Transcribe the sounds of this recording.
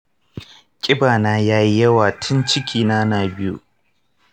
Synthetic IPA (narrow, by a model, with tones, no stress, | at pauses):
kʲʼɪ˦baː˨naː˦jaː˦ji˦jɐ˦waː˨tʰʊ˦nt͡ʃɪ˦kʲʰiː˨naː˦naː˨bɪ˦jṵ˦ʔ